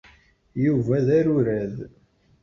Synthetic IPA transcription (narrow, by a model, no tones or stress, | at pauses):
juvæðæɾʊɾæð